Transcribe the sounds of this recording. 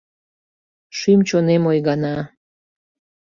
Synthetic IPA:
ʃymt͡ɕonemojɣɑnɑ

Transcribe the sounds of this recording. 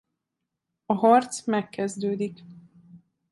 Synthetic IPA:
ɒɦɒrt̪smɛkːɛzd̪øːd̪ik

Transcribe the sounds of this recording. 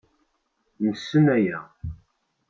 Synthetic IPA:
məsːənæjæ

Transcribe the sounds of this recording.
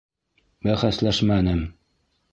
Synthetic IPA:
bæχæslæʃmænɘm

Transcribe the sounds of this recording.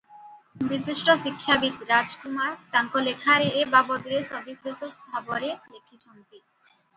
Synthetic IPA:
biʃiʃʈoʃikʰːabit̪ɾad͡ʑkumaɾt̪aŋkolekʰaɾeʔebabɔd̪ɾesɔɾbisesost̪ʰaboɾelekʰiʃont̪i

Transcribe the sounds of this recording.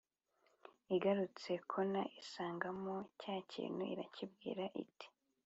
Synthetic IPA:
iɡaɾut͡se̞kʰo̞naʔisaːŋɡamocaːcʰḭːnuḭɾa̰cibɡḭːɾaʔḭti̥

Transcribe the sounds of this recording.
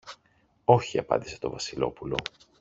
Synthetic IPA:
o̞çiɐpɐ̰nd̪ise̞̥t̪o̞vɐsilo̞pulo̞̰

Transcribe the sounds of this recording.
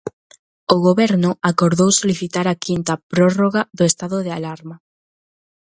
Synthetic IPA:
oɣoβɛɾnʊakoɾðowsoliθit̪aɾakint̪ɐpɾɔroɣaðʊest̪aðʊðealaɾma

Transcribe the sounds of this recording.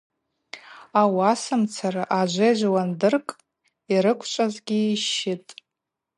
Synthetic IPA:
awasɨmt͡sʰaraʔaʒʷeʒʷwandɨrkʼ | iɾɨkʷʰt͡ʃʷʼazɡʲiːʃɪtʼ

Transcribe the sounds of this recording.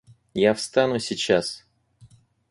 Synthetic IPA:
jafst̪anʊsʲɪt͡ɕas

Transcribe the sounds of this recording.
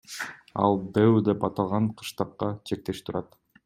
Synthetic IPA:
ɑ̰lˠd̪ewd̪epɑt̪ɑlˠʁɑɴqʰɯ̥ʃt̪ɑqːɑt͡ʃʰe̞k̚t̪e̞ʃt̪ʰuɾɑt̪

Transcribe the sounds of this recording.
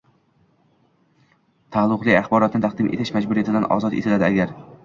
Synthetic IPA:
t̪ʰalˠːʊqlˠɪaχbɒɾɒt̪nɪt̪aqd̪ɪmʔe̞̰t̪ʰɪʃmad͡ʒbʊɾijat̪ɪd̪anɒ̰zɒt̪e̞t̪ʰɪlad̪ɪaɡʲaɾ

